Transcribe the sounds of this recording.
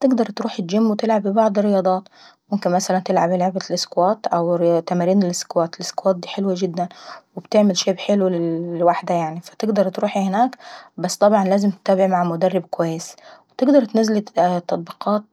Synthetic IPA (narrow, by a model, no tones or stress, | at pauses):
t̪ɪɡd̪ɑɾˤt̪ɾuːħɪd͡ʒɪmːwɪt̪ɪlʕabɪbɑʕd̪ˤrːɪjɑːd̪ˤɑːt̪mʊmkɪnmæsælænt̪ɪlʕabɪleʕbælʔɪskowæːt̪ʔæwt̪ːæmæːɾiːnɪlʔɪskowæːt̪ɪlʔɪskowæːt̪̚d̪iːħelwaɡɪd̪ːænwɪbt̪eʕmɪlʃeːbħelwlwaħd̪æjaʕnifæ̥t̪ɪɡd̪ɑɾˤt̪ɾuːħihɪnaːkbæsːt̪ˤɑbʕɑnlæːzɪmt̪ɪ̥t̪ːæːbɪʕmaʕmʊd̪ærːɪbkʊwæjːeswɪt̪ɪɡd̪ɑɾˤt̪næzlit̪ːɑt̪ˤbiqʰɑːt̪̚